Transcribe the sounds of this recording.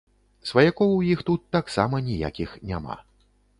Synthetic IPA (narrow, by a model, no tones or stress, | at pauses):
svɐjakɔwwjixt̪ut̪ːaksamɐnʲija̰kʲixnʲama̰